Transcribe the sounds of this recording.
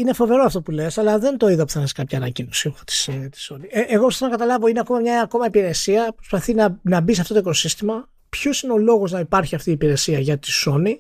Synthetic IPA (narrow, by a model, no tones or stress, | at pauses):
ine̞fo̞ve̞ɾoɐft̪o̞pule̞sɐlɐðe̞nt̪o̞iðɐpuθɐnɐskɐpçɐːnɐcinosit̪i̥st̪i̥so̞nieʔeɣo̞psθnɐkɐt̪ɐlɐvo̞ineɐko̞mɐmɲɐko̞mɐipiɾe̞siɐpɾo̞spɐθinɐnɐbis̬ɐft̪ot̪oikosist̪imɐ | pço̞sineo̞lo̞ɣo̞znɐipɐɾçiɐft̪iːpiɾe̞siɐʝɐt̪i̥so̞ni